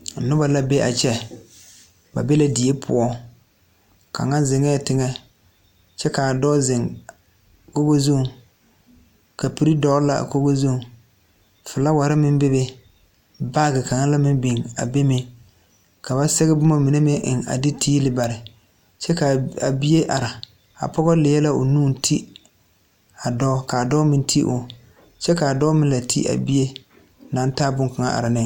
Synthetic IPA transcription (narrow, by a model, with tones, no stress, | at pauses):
nʊ˦ba˨la˦be˦ʔa˨t͡ʃɛ˦ | ba̰˨be˦la˦di˨e˦pʰʊ̰˨˦ɔ˦ | ka̰˨ŋa˦n˦zɪ˨ŋɛ˦˨tɪ˨ŋɛ˦ | t͡ʃɛ˦ka˨dɔ˦zɪ˨ŋ | ko˦ɡo˦zu˦˨ | ka˨pi˦ɾi˦dɔ˦la̰˨ko˦ɡo˦zu˦˨ | fɪ˨la˦wa˨ɾɪ˦mɪ˦mbɪ˦bɛ˦ | baː˦ɡɪ˨ka˨ŋa˦la˦mɪ˦mbi˨ŋa̰˨be˦mɪ˦ | ka˨βa˦sɛ˦ɣɛ˦bʊ˦ma˨mi˨ne˦mɪ˦ʔɪ̰˨ŋa̰˨dɪ˦tʰiː˦lɪ˨ba˨ɾɪ˨ | t͡ʃɛ˦ka˨a̰˨bi˦je˦ʔa̰˨ɾa˨ | a̰˨pɔ˦ɣɔ˦lɪ˨ɛ˦la˦ʊ̰˨nuː˦˨n˦tʰi˦ | a˨dɔː˦kaː˨dɔ˦mɪ˨ntʰi˦ʔʊ˨ | t͡ʃɛ˦ka˨a˨dɔ˦mɪ̃˦nla˨tʰḭ˦ʔa̰˨bi˦e˦ | na˨˦n˦taː˦bʊ˦ka˨ŋa̰˦ʔa̰˨ɾa˨nɪ˦